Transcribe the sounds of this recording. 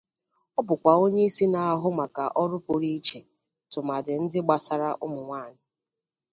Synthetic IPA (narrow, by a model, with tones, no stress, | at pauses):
ɔ˦bʊ˨kʷa˨o˦ɲe˦i˦si˦na˨a˦˨ɦʊ˦ma˨ka˨ʔɔ˦ɾʊ˦pʷʊ˨ɾi˦t͡ʃe˨ | tʊ˨ma˨dɪ˨n̩˦dɪ˦ɡ͡ba˨sa˨ɾa˦ʔʊ˦mʊ˨ŋʷaː˦˨nʊ˨